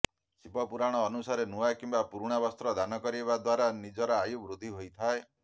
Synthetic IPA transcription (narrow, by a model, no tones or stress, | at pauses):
sibɔpuɾaɽ̃ɔːnusaɾenuajkimbapuɾuɽ̃abɔst̪ɾɔd̪anɔkɔɾiebad̪waɾanid͡ʒɔɾaːjubɾud̪ʱːiɦojt̪ʰae